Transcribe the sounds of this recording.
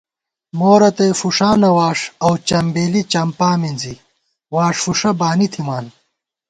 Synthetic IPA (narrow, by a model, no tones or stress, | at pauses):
moːɾɐt̪ejfuʂaːnɐwaːʂɐwt͡ɕɐmbeːlit͡ɕɐmpaːminzi | waːʂfuʂɐbaːnit̪ʰimaːn